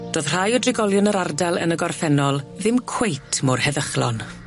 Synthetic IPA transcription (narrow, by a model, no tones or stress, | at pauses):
d̥oːð̥r̥ajɔdrɪɡɔlˠjʊnəɾardɛlˠə̰nəɡɔrfɛnɔlˠðɪmkʰw̥ejtʰmʊrhɛðəχlɔn